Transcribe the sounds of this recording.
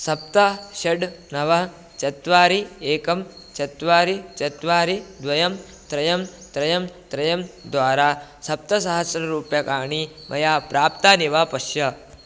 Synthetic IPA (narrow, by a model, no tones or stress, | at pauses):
sɐp̚t̪ɐʃɐɖnɐʋɐ | t͡ʃɐt̪ʋaːɾieːkɐm | t͡ʃɐt̪ʋaːɾit͡ʃɐt̪ʋaːɾid̪ʋɐjɐm | t̪ɾɐjɐmt̪ɾɐjɐmt̪ɾɐjɐmd̪ʋaːɾaːsɐp̚t̪ɐsɐɦɐsɾɐɾuːpjɐkaːɳi | mʔɐ̰jaːpɾaːp̚t̪aːniʋaːpɐʃjɐ